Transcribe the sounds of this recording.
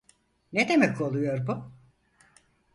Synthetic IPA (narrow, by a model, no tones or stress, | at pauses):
ned̪e̞mɛkʰo̞lˠujo̞ɾbu